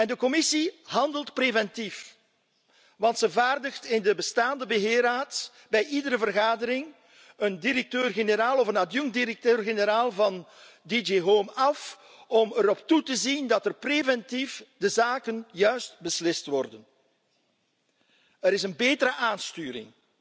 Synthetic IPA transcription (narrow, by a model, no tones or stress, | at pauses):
ɛndəkɔmɪsiɦɑndəlˠtprevɛntif | ʋɑntsəvaːrdəxtɪndəbəstaːndəbəɦɪːɾaːt | bɛjʔidəɾəvərɣaːdəɾɪŋ | əndiɾɛk̚tøːrɣenəɾaːlˠɔfənadjuŋdiɾɛk̚tøːrɣenəɾaːlˠvɑn | did͡ʒeɦoːmɑf | ɔməɾɔptutəzindɑtərprevɛntifdəzaːkənjœɥstbəslɪstʋɔrdən | əɾɪsənbeːtəɾəʔaːnstyːɾɪ̰ŋ